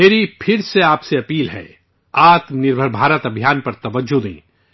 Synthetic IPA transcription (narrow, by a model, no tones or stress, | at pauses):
eːɾipʰɪɾseaːpseɐpiːlɦɛ̰ː | aːt̪mənɪɾbʱəɾbʱaːɾət̪ɐbʱijaːnpɐɾt̪ɐʋəd͡ʒod̪ḭ̃ː